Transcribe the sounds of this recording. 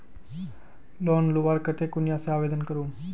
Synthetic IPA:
loːnluʋaːɾkət̪eːkʊnɪjãːseaːʋeːd̪ənkəɾuː

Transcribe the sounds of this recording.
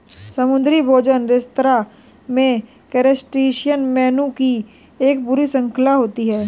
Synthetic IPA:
sɐmʊ̃nd̪ɾibʱoːd͡ʒənɾɪst̪ɾa | mẽ | kɛɾesʈɾiːʃijənmɛːnuki | eːkbʊɾisə̃ŋkʰəlaɦoːt̪iɦɛː

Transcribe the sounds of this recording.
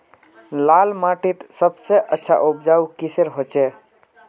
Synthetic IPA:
lalmaʈit̪səbseʔətːʃʰa̰ʔupd͡ʒaukisəɾɦot͡ʃe

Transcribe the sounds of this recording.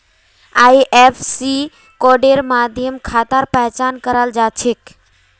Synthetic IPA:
aːjʔepʰsi | kɔːɖeɾmaːd̪ʱjəmkʰaːt̪əɾpəɦt͡ʃaːnkəɾəld͡ʒaːt͡ʃʰek

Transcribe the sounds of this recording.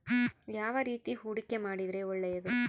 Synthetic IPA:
jaːʋɐɾiːt̪ihuːɽikːemaːɽid̪ɾeːɔɭːɐjɐðɯ

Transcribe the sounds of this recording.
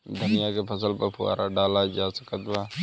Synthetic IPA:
d̪ʊnɪjaːkʰeːpʰəs̬əlpəpʰʊa̰ːɾaːɖaːlad͡ʒaːsə̥kət̪ʋaː

